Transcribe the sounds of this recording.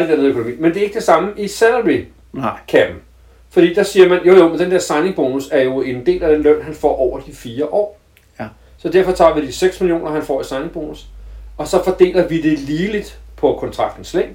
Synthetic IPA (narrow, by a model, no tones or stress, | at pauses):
deɐneð̩ˠøkʰo̝nomḭːmend̥e̝ɐe̝ɡ̥əd̥e̝sɑ̈məʔisænlʁi | kʰæb̥ | fɒd̥ḭːd̥ɑ̈siːɐmænjo̝̰jomend̥end̥eɐ̰sɑ̈ɪne̝ŋb̥o̝ːnusæɐjo̝e̝nd̥e̝̰ːlæd̥enløn̰ɦænfɒ̰ːʔɒʊ̰ɐd̥ifiːɐʔɒ̰ː | sɒ̽d̥æɐfɒ̽t͡sʰɑ̰̈ːʋid̥iseɡ̥smilijo̝̰ːnɐɦænfɒ̰ːisɑ̈ɪne̝ŋb̥o̝ːnusɒ̽sɒ̽fɒd̥e̝̰ːlɐʋid̥e̝liːlid̥pʰɒ̽kʰɒ̽nt͡sʰʁɑ̈ɡ̥d̥n̩sleŋ̰